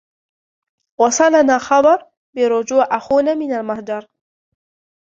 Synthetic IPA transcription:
wɑsˤɑlanaːxɑbɑɾˤ | bɪɾʊd͡ʒuːʕʔaxuːnaːmɪnalmahd͡ʒɑɾˤ

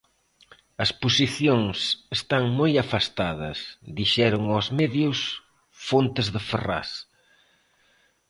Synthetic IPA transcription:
ɐsposiθjoŋsest̪aŋmojafast̪aðɐsðiʃɛɾʊŋozmɛðjʊs | font̪ɪzðɪfera̰s

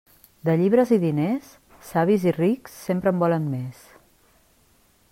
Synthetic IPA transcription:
d̪əʎiβ̞ɾəziðinesː | aβiziriksːempɾəmbɔlənmes

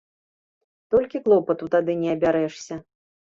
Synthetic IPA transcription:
t̪ɔlʲkʲiklˠɔpɐt̪ut̪ad̪ɨnʲɛɐbʲaɾɛʂsʲɐ

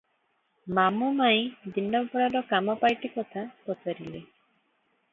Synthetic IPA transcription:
mamumaĩd̪inːɔbpɔɽaɖɔkamɔpajʈikɔt̪ʰapɔt͡ʃaɾile

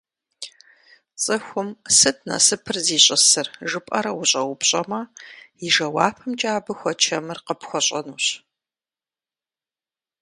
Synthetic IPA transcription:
t͡sʼɨxʷʊmsɨtʰnɐ̰sɨpʰɨrziːɕʼɪsɨrʒɨpʼɐɾɐwʊɕʼɐwʊpɕʼɐmɐjɪʒɐwa̰ːpʰɨmt͡ʃʼaːbɨxʷɔt͡ʃʰɐmɨrqəpxʷɔɕʼɐnuːɕ

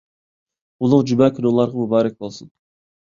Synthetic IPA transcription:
ulˠʊqd͡ʒymɛkʲʰinolˠɑɾʁɑmubɑːɾɛk̚ʲbolˠsɨn

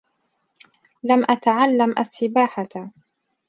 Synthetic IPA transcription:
lamʔat̪aʕalːamʔa̰sːɪbaːħa

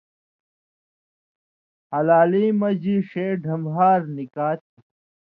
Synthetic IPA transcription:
hɐlaːliːmɐd͡ʑiʂeːɖʱɐmɦaːɾnikaːt̪i

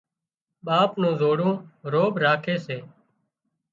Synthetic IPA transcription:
ɓaːpnõːzoːɽõːɾoːbʱɾaːkʰeːseː

